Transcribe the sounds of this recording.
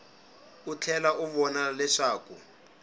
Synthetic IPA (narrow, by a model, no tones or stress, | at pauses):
ut͡ɬʰɛlaʔuβɔnalɛʂaːku